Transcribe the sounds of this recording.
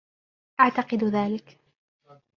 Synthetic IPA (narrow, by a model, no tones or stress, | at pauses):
ʔaʕt̪ɑqɨd̪ðaːlɪk